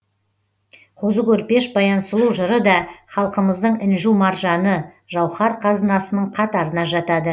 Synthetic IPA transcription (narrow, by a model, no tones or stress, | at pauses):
qʰozəkʲʰɵɾpe̞ʃbɑjɑnsəlˠuʒəɾəd̪ɑχɑlˠqəməzd̪əɴɪnʒumɑɾʒɑnə | ʒɑwχɑɾqʰɑzənɑsənəɴqʰɑt̪ɑɾənɑʒɑt̪ɑd̪ə